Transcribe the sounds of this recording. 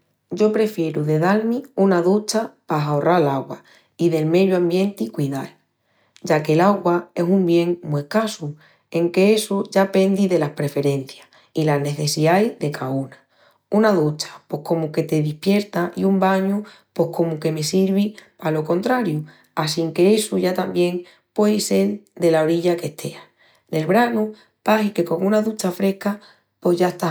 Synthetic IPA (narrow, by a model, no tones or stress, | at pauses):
ɟ͡ʝo̞pɾe̞fje̞ɾuðe̞ðalmiunaðut͡ʃapaɦaorʔalaɣwa | iðe̞lme̞ðjuambje̞nt̪ikwiðal | ɟ͡ʝake̞laɣwae̞sumbje̞ŋmue̞hkasu | e̞ŋke̞esuʝape̞nd̪iðe̞lahpɾe̞fe̞ɾẽ̞n̟θja | ilane̞θe̞siajðe̞kauna | unaðut͡ʃḁpwo̞hko̞muke̞t̪e̞ðihpje̞ɾt̪aʔiumbaɲu | po̞hko̞muke̞me̞siɾβ̞i | alo̞ko̞nt̪ɾaɾju | asiŋke̞esuʝat̪ambje̞ŋ | pwe̞jse̞ld̪e̞lao̞ɾiʎake̞ht̪ʰe̞a | d̪e̞lβɾanu | pahike̞ko̞ŋunaðut͡ʃafɾe̞hka | po̞ɦʝaest̪a